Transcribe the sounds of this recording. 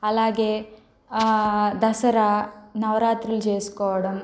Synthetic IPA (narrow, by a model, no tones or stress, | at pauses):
ɐlaːɡe | d̪ɐsɐɾanɐʋɾaːt̪ɾild͡ʒeːskoːɽɐm